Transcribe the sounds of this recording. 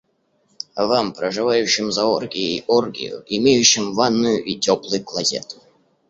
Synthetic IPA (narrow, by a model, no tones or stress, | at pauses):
vampɾəʐɨvajʊɕːɪmzɐorɡʲɪiʔorɡʲɪ̰jʊ̰ʔimʲejʊɕːɪmvanːʊjʊʔitʲoplˠɨjklˠɐzʲḛt̪ʊ̥